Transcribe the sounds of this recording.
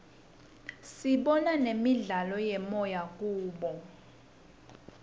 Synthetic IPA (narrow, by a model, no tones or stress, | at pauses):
siɓɔnanemiɮalɔjɛmɔjak̬ʼuːɓɔ